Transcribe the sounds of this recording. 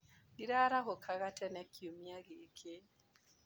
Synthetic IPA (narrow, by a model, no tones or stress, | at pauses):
iɾaːɾaɣokʰaɣatɛnɛkʰiomiaɣekʰe